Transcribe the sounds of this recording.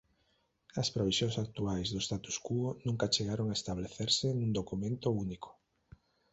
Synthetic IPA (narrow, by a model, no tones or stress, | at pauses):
ɐspɾoβisjõŋsak̚t̪uajzðoʊst̪at̪u̥skuonũŋkat͡ʃeɣaɾoŋaest̪aβ̞leθeɾsɪnũŋd̪okumẽnt̪ounikʰo̥